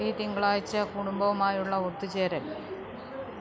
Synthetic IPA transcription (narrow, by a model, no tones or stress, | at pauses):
it̪iŋɡɐɭaːjit͡ɕːɐkuɽumbɐʋumaːjuɭːɐot̪ːut͡ɕeːɾɐl